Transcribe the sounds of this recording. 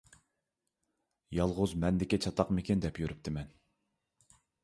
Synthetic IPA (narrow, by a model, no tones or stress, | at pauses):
jɑlˠʁʊzmɛnd̪ɪkʲit͡ʃʰɑt̪ʰɑqmɪkʲind̪ɛpjøɾyp̚t̪ʰɪmɛn